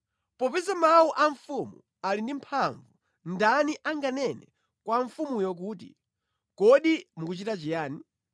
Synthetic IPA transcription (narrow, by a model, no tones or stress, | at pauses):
pɔpisamawuʔaɱfumṵ | alindim̩pʰaɱvu | ndaniʔaŋɡanɛnɛ̰ | kwaɱfumujɔk̬uːtḭ | kɔɗimukut͡ʃitat͡ʃijaːni